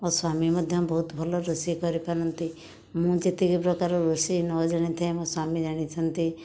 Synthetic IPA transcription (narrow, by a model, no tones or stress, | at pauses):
ɔswaːmimɔd̪ʱjɔmbɔɦut̪bʱɔlɔɾosikɔɾipaɾɔnt̪i | mũd͡ʒet̪ikipɾɔkaɾoɾosinɔd͡ʒaɽ̃it̪ʰɛmɔ̃swamid͡ʒaɽ̃it͡ʃʰənt̪i